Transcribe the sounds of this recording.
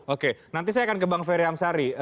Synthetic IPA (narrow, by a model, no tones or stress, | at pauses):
okenant̪is̬ajaːkankəbaŋfeɾeamsaɾi